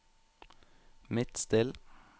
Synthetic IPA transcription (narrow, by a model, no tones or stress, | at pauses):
mɪt̪st̪ɪl